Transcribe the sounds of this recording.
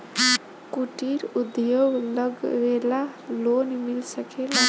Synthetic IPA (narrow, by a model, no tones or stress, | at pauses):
kuʈiɾud̪joɡlʌɡɾelalonmilsəkʰela